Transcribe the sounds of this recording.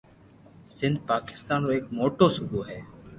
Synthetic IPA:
sɪnd̪̚ʱpaːkɪ̥st̪aːnɾoːeːkmoːʈoːsʊbuːɦɛː

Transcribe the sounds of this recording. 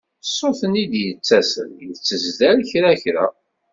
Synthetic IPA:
sːoθənid̪jət͡sːæsə̰njət͡sːəzd̪æɾçɾæçɾa̰

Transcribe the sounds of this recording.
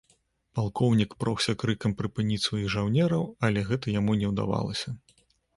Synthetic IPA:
palˠkʰɔwnʲikpɾɔxsʲɐkɾɨkɐmpɾɨpɨnʲit͡sʲsvajiɣʐawnʲɛɾɐwɐlʲɛɣɛt̪ɐjamunʲɛwd̪a̰va̰lˠɐ̰sʲɐ

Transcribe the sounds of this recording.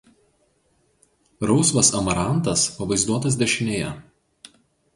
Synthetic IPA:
ɾɒʊsʋɐsɐmɐɾɑˑnt̪ɐspɐʋɐɪzd̪uɔt̪ɐs̬d̪ʲɛʃʲɪnʲeːjɛ̰

